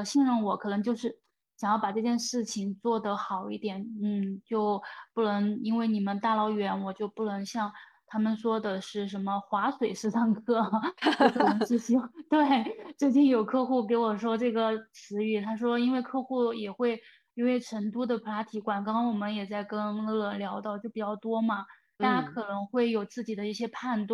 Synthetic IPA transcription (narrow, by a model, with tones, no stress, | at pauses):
ɕi˥˧nɻə˥˩ŋwɔ˨˧˥kʰɤ˨˩nɤ˧˥ŋt͡ɕjo˥˧ʊʂɻ̩˥˩ | ɕjɑ˨˩ŋjɑ˥˩ʊpa˨˩ʈ͡ʂɤ˥˧t͡ɕjɛ˥˧nʂɻ̩˥˩t͡ɕʰi˩ŋt͡swɔ˥˩d̪ə˩xɑ˨˩ʊḭ˥˩t̪jɛ˨˩˦nn̩˥˩t͡ɕjo˥˧ʊpu˥˩nɤ˧˥ŋi˥nwe˥˩ɪni˨˩mə˦nt̪a˥˩lɑ˧˥ʊɥɛ˧˥nwɔ˨˩t͡ɕjo˥˧ʊpu˥˩nɤ˧˥ŋɕjɑ˥˧ŋ | t̪ʰa˥mə˨nʂwɔ˥d̪ə˨ʂɻ̩˥˩ʂə˧˥nmə˧xwa˧˥swe˨˩ɪʂɻ̩˥˧sɑ˥˧ŋkʰɤ˥˩˥ɤ˥˩ə˧˥ŋʈ͡ʂɻ̩˥˧t͡ɕʰi˥ŋt̪we˥˩ɪʈ͡ʂɻ̩˥˧t͡ɕi˥˩ŋjo˨˩ʊkʰɤ˥˧xu˥˩ke˧˥ɪwɔ˨˩ʂwɔ˥ʈ͡ʂɤ˥˩ɡə˩t͡sʰɹ̩˧˥y˥˩t̪ʰa˥ʂwɔ˥i˥nwe˥˧ɪkʰɤ˥˧xu˥˩jɛ˨˩xwe˥˩ɪ | i˧˥wɪʈ͡ʂʰə˧˥ŋt̪u˥d̪ə˨pʰla˧˥t̪ʰi˧˥kwa˨˩nkɑ˥ŋ˥wɔ˨˩mə˧˦njɛ˨˩t͡sa˥˩ɪkə˥nlɤ˥˧lə˧˩ljɑ˧˥ʊt̪ɑ˥˧ʊt͡ɕjo˥˩ʊpi˨˩t͡ɕjɑ˥˩ʊt̪wɔ˥mɐ˨t̪a˥˧t͡ɕa˥kʰɤ˨˩nɤ˧˥ŋxwe˥˩ɪjo˨˩ʊt͡sɹ̩˥˩t͡ɕi˨˩d̪ə˦i˥˩ɕjɛ˥pʰa˥˧nt̪wa˥˩